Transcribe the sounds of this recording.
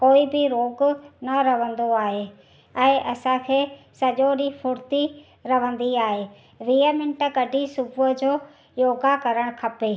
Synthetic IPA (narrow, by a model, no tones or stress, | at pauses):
koːibɪɾoːɡnɐɾɐʋə̃nd̪oaːɦe | ɛ̃ːʔɐsãkʰeː | sɐʄoɾifʰʊɾt̪i | ɾɐʋ̤ə̃nd̪iaːɦeː | ʋiːəmɪ̃ɳʈə̆ɡɐɖʱisʊbʊəd͡ʑoː | joːɡakɐɾəɽ̃kʰɐpeː